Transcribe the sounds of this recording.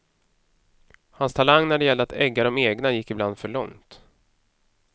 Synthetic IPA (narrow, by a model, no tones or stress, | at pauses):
hanst̪ʰalaŋːnæɖɛjɛlːəɾat̪ɛɡːaɖɔmeːɡnajɪkːɪbland̪fœɭɔ̰ŋt̪